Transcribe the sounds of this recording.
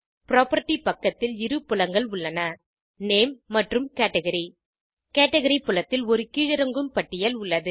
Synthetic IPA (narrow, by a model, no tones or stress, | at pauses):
pɪɾoːpɐɾʈːipɐkːɐt̪ːɪlɪɾɯpːʊlɐŋɡɐɭʊɭːɐnɐ | neːmːɐʈrɯmkeːʈːɐɣɐɾi | keːʈːɐɣɐɾipːʊɭɐt̪ːɪlɔɾɯkiːɻɪɾɐŋɡɯmpɐʈːɪjɐlʊɭːɐðɯ